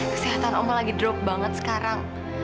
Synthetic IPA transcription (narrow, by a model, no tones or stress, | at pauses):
kə̥siɦat̪anɔ̰mɔlaɡidɾɔk̚baŋət̪̚sə̥kaɾaŋ